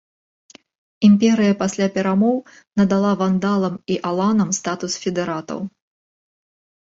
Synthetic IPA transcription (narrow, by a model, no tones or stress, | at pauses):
impʲɛɾɨjɐpasʲlʲapʲɛɾamɔw | nɐd̪alˠavand̪alˠɐmiʔalˠanɐmst̪at̪usfʲɛd̪ɛɾat̪ɐ̰w